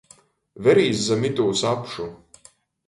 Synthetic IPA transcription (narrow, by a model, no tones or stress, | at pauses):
vɛɾiːszamit̪uːsapʃu